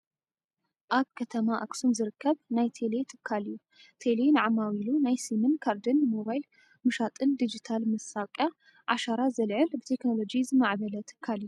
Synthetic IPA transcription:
ʔaβkʰɐt̪ʰɐmaʔaksunzɨɾɨkʰːɐβnajt̪ʰelet̪ʰɨ̥kʰːalɨjːu | t̪ʰelenɨʕamawilunajsimɨnkʰaɾd̪ɨnmoβajl | mɨʃat̪ʼɨnd̪id͡ʒit̪ʰalmɐsakʼja | ʕaʃaɾazɐlʕɨlbɨt̪ʰe̞kno̞lo̞d͡ʒizɨmaʕβɐlɐt̪ʰɨ̥kʰːaliju

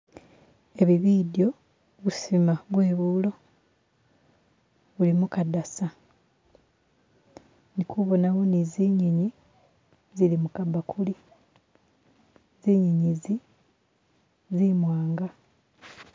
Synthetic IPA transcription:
e̞βiβiːdjo̞ | βusimaβwe̞ːβuːlo̞ | βulimukadasa | nikʰuβo̞nawoniziːɲiɲi | zilimukabakʰuli | ziːɲiɲizi | zimwaːŋɡa

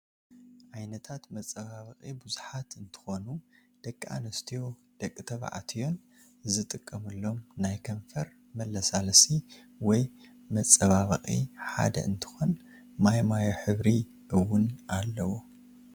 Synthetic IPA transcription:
ʔajnɐt̪ʰat̪mɐt͡sʼɐβaβɐχʼibuzuħat̪ɨnt̪ʰɨ̥xo̞nud̪̥ɐkʼːa̰nɐst̪ʰijo̞ | d̪̥ɐkʼːɨt̪ʰɐβa̰ʕa̰t̪ʰijo̞n | zɨt̪ʼɨkʼːɐmɨlːo̞mnajkʰɐɱfɐɾ | mɐlːɐsalsi | wɔj | mɐt͡sʼːɐβaβɐχʼḭħa̰d̪ɐ̰ʔɨnt̪ʰɨ̥xo̞n | majmajoħɨβɾi | ʔɨwːʊnalːɐwu

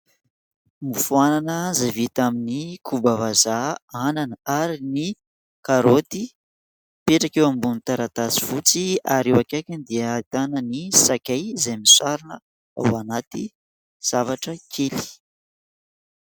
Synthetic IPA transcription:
mifuananənzavit̪aminikʰubavazaananəaɾini | kaɾot̪i | peʈ͡ʂakewambunit̪aɾat̪at͡si̥fut͡siaɾewakakʲand̪iəːt̪anənisakʲajzajmisaɾunə | a̰wanat̪i | z̥avaʈ͡ʂəkʰeli̥

